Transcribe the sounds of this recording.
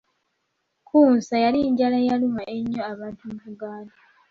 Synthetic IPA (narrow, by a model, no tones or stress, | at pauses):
kʰuːnsajaliɲɟalajalumaʔeɲːoaβaːntumuβuɡaːnda